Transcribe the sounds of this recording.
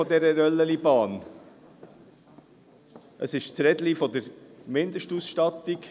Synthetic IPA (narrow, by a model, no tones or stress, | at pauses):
ɔd̪ɛɾəɾœlːəlibɑːn | ʔəsɪʃt͡sɾɛd̪lifɔd̪əɾmɪnd̪əʃtuːsʃtɑt̪ik